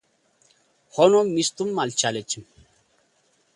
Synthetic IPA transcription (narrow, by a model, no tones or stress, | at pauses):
hɔnɔmːist̪umːalt͡ʃalet͡ɕim